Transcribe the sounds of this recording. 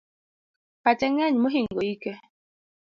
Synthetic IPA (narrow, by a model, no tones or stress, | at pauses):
pat͡ʃɛŋɛɲmoɦiŋoikɛ